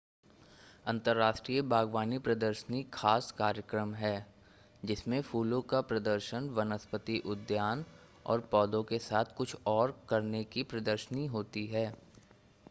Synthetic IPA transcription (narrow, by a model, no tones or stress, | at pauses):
ɐ̃nt̪əɾːaːʃʈɾiːəbʱaːɡʋaːnipɾɐd̪əɾʃənixʰaːskaːɾjəkɾəmɦɛː | d͡ʒɪsmẽfuːlõkapɾɐd̪əɾʃənʋɐnəspət̪iʔʊd̪jaːn | ɔ̰ːɾpɔːd̪õkesaːt̪ʰkʊt͡ʃʰɔːɾkɐɾnekipɾɐd̪əɾʃəniɦoːt̪iɦɛː